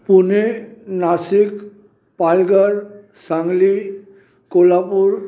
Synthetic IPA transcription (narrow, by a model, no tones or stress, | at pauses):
punenasik | palɡaɹ | saŋli | kolapuɹ